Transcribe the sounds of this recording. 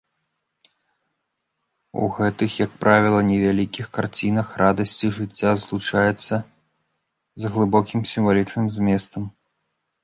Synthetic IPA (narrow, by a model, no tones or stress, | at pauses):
ṵɣɛt̪ɨxjɐk̚pɾʔavʲilˠɐnʲɛvʲalʲikʲixkart͡sʲinɐxrad̪ɐsʲt͡sʲiʐɨt͡sʲːazlˠut͡ʂajɛt̪sːɐ | zɣlˠɨbɔkʲimsʲimvalʲit͡ʂnɨmzʲmʲɛst̪ɐm